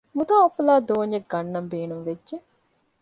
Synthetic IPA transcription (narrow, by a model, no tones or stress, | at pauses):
mut̪aːopːɐlaːd̪oːɲjek̚ɡɐnːɐmbeːnumʋedʒe